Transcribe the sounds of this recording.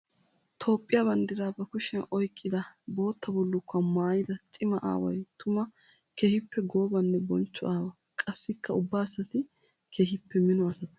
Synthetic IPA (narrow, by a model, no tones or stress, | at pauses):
t̪ʰo̞ːpʼːɪjaːbɐnd̪ɪɾaːbɐkʊʃɛnʔɔjkʼːɪd̪ɐbo̞ːt̪ːɐbɔlːʊkʰːɐmaːjɪd̪ɐt͡ʃʼɪmɐʔa̰ːwɐ̰jt̪ʊmɐ | keːhɪpːɛɡoːbɐnːɛbɔnt͡ʃːʊʔaːwɐ | kʼɐsːɪkʰːɐʊbːaːsɐt̪ɪ | kʰeːhɪpːɛmɪnɔɐsɐt̪ɐ